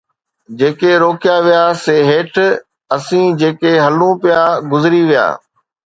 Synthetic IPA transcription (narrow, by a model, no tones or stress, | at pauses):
d͡ʑeːkeɾoːkijaʋijaseːɦeːʈʰ | ɐsĩːd͡ʑeːkeɦɐlũpijaɡʊzɪɾiʋija̰ː